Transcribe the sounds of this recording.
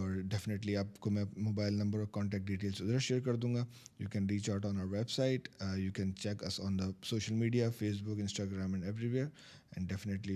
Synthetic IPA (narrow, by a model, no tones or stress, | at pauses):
ɔːɾɖɛfɪneʈ̬liaːpkomɛ̃moːbaːɪlnɐ̃mbəɾɔːɾkɔ̃ːɳʈɛːkʈ̚ɖiːʈeːlsʊd̪ɾaʃeːɾkɐɾd̪ũːŋɡaːjuːkɛ̃nɾiːt͡ʃaʊʈɔ̃ːnaːʊəɾʋebsaɪʈjuːkɛ̃nt͡ʃɛkɐsɔ̃ːnd̪əsoːʃəlmiːɖijafeːsbʊkɪ̃nsʈaːɡɾãːmɛ̃ɳɖeʋɾiʋeːɾ | ɛ̰̃ːɳɖɛfɪneʈli